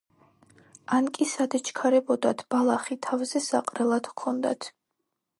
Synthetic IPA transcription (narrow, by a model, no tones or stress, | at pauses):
ankʼisad̪ɛt͡ʃʰkʰaɾɛbɔd̪at̪ʰb̥alˠaχit̪ʰavzɛsa̰qʼɾɛlˠad̪kʰɔnd̪a̰t̪ʰ